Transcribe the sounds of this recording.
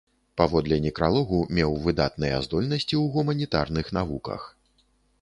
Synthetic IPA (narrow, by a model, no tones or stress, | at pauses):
pavɔd̪lʲɛnʲikɾalˠɔɣumʲɛwvɨd̪at̪nɨjɐ̰zd̪ɔlʲnɐsʲt͡sʲiwɣumɐnʲit̪arnɨxnavukɐ̰x